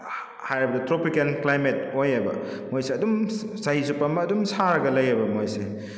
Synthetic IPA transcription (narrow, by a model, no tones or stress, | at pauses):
hajɾibɐdɐtɾopikenklajmetojebɐ̰mojseɐdumsaɦizupamɐːdumsaɾɐɡɐlɐjebɐmojse